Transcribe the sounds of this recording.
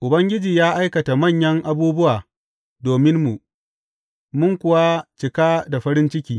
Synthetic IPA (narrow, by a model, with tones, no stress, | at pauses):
ʔʊ˨bɐ˦ŋɡʲɪ˦d͡ʒiː˨jaː˦ʔa˦jkɐ˨ta˨mɐ˦˨ɲjɐ˦ŋʔa˦buː˦bʊ˦waː˨ | doː˨mɪ˦nmu˨ | mʊ˦ŋkʷʊ˨wa˦t͡ʃɪ˨kaː˦da˨ɸɐ˦ɾɪ˦nt͡ʃɪ˦kʲiː˦